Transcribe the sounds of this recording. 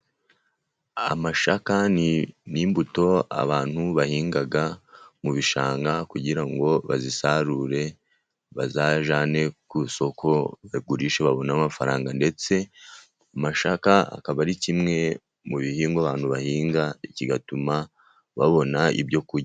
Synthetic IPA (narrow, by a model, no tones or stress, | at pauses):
a̰maʃakaniniːmbuto̞a̰βaːn̥huβahiːŋɡaɡamuβiʃaːŋɡakuɟiɾaŋɡo̞βa̰zisaɾuɾe̞ | βa̰zaʒaːne̞kuso̞kʰo̞βaɡuɾiʃe̞βaβo̞namafaɾaːŋɡande̞t͡se̞ | amaʃakaa̰kaβaɾicimŋe̞ | muβihiːŋɡaβaːn̥huβahiːŋɡaiciɡatuma | βaβo̞naḭbɟo̞kuɾɟa